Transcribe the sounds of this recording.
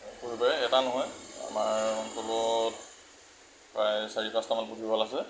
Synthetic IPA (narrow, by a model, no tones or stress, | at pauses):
puɹibajɛtanɔɦɔja̰maɹɔnsɔlɔt | pɹajsaɹipastamanputibɔlasɛ